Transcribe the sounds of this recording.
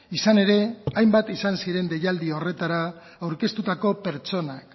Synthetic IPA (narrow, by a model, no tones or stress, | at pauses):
isane̞ɾe̞ajmbat̪isansiɾe̞nd̪e̞jald̪io̞re̞t̪aɾaː | wɾke̞st̪ut̪ako̞pe̞ɾt͡ʃo̞nak